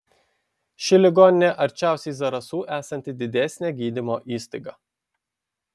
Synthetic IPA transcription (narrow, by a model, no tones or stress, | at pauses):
ʃʲɪlʲɪɡɔːnʲɪnʲeʔɐɾʲt͡ʃʲæˑʊsʲɛɪzɐɾɐsuːʔæːsɐnʲt̪ʲɪd̪ʲɪd̪ʲɛsʲnʲɛɡʲiːd̪ʲɪmoːʔiːsʲt̪ɐɪɡɑː